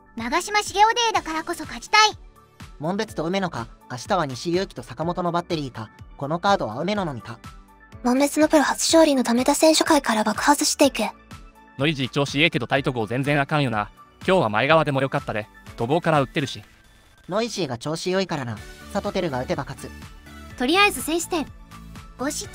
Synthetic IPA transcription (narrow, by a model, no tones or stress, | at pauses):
naɡaɕimaɕiɡʲeːd̪e̞ːd̪akaɾako̞so̞kad͡ʑi̥t̪ai | mõ̞mbe̞t͡sɨ̥t̪o̞ɯ̟me̞no̞kaːɕi̥t̪aβaɲ̟iɕijɯ̟ːkʲt̪o̞sakamo̞t̪o̞no̞bat̪ːe̞ɾʲiːkako̞no̞kaːd̪o̞βa̰ɯ̟me̞no̞nomʲik̪a | mõmbe̞t͡sɨnopɯ̟ɾɯ̟hat͡sɨ̥ɕo̞ːɾʲino̞t̪ame̞t̪asẽ̞ɰ̃ɕokaikaɾabakɯ̟̥hat͡sɨɕi̥t̪e̞ike | no̞iʑit͡ɕo̞ːɕieke̞d̪o̞t̪ait̪o̞kɯ̟ozẽ̞nd͡zẽ̞ɰ̃akãɰ̃jo̞nakʲo̞ːβama̰eɡaβad̪e̞mo̞jo̞kat̪ːad̪e̞d̪̥o̞ɡo̞ːkaɾaɯ̟t̪ːe̞ɾɯ̟ɕi | no̞iʑiːɡat͡ɕo̞ːɕijo̞ikaɾanasat̪o̞t̪e̞ɾɯ̟ɡaɯ̟t̪e̞bakat͡sɨt̪o̞ɾʲiaezɨsẽɰ̃ɕi̥t̪ẽŋɡoɕi